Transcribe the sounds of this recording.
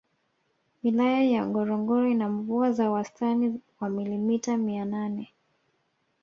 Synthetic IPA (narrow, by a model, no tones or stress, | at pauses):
wilajajaŋɡɔɾɔŋɡɔɾɔinaɱvuazawastaniwamilimitamiananɛ